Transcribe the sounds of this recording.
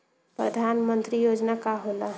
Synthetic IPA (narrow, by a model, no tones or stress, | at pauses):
pɾəd̪ʱanmənt̪ɾijod͡ʒnakaɦola